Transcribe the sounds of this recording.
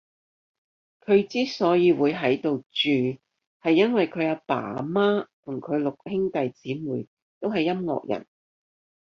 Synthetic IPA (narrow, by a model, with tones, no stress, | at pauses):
kʰɵ˨˧ɥt͡siː˥sɔː˨˥jiː˨˧wuː˨˧jɦɐ˨˥jt̪o˨wt͡ʃyː˨ | hɐ˨jːɐ˥nwɐ˨jkʰɵ˨˧ɥaː˧pa̰ː˨˩maː˥t̪ʰʊ˨˩ŋkʰɵ˨˧ɥlʊ˨k̚hɪ˥ŋt̪ɐ˨jt͡siː˨˥muː˨˩j | t̪o˥wɦɐ˨jːɐ˥mŋɔ̰ː˨k̚jɐ̰˨˩n